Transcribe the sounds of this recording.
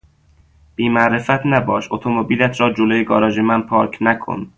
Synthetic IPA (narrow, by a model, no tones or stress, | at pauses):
b̥iːmæʔɾe̞fæt̪ʰnæbɒːʃot̪ʰomobiːlæt̪ʰɾɒːd͡ʒolojeɡɒːɾɒːd͡ʒemænpʰɒːɾkʰnækʰo̰n